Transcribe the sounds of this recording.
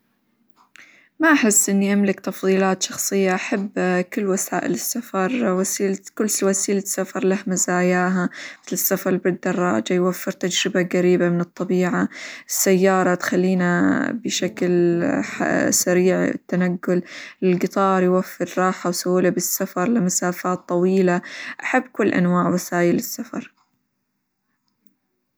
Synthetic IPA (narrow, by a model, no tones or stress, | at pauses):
maʔaħɪsːʔɪnːiʔamlɪkt̪ɑfðˤiːlaːt̪ʃɑxsˤɨjːaʔaħabːkɪlːwasa̰ːʔɪ̰lɪsːafɑɾˤwasiːlkʊlːwasiːlɪsːafɑɾˤlahmazaːjaːɦamɪθlɪsːafɑɾˤbɪd̪ːɑrˤːɑ̰ːd͡ʒajwafːɪɾt̪ad͡ʒɾɪbaɡaɾiːbamɪnɨt̪ˤːɑbiːʕaɪsːajːɑːɾˤɑt̪xalːiːnabɪʃaklħa̰saɾiːʕ̰t̪ːanaɡːʊlɪlɡɪt̪ˤɑːɾˤjwafːɪɾɾˤɑːħawsawːɪlabɪsːafɑɾˤlɪmasaːfaːt̪ˤːɑwiːlaʔaħabːkʊlːʔa̰nwaːʕwɪsaːjɪlɪsːafɑ̰ɾˤ